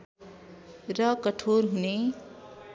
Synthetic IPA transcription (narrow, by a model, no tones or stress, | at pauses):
rʌkʌʈʰorɦune